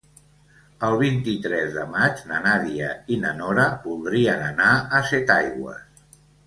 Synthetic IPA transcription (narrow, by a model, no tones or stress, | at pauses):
əlˠβ̞int̪it̪ɾɛzðəmad͡ʒnənaðiəinənɔɾəbulˠd̪ɾiənənaəsɛt̪ajɣwə̰s